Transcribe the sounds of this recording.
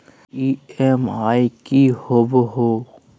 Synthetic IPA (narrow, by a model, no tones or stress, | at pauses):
iemajkihobɦo